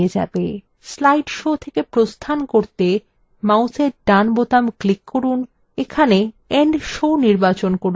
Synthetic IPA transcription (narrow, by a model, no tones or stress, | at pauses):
ed͡ʑa̰be | slajɖʃot̪ʰekepɾost̪ʰankoɾt̪e | mawseɾɖanbot̪amklikːoɾun | ekʰane | ɛɳɖʃoniɾbat͡ɕonkoɾ